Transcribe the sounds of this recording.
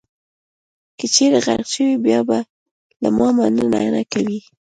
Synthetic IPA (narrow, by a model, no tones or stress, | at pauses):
kət͡ʃeɾaɣa̰ɾɡʃəwibjɑba | la̰mɑmanəna̰jnakawi